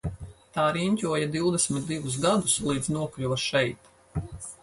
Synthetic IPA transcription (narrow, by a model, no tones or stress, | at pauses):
t̪aːɾiɲʲcʲuɔjad̪iwd̪ɛsmʲit̪̚d̪ivus̬ɡad̪uslˠiːd̪znuɔklʲuʋaʃɛjt̪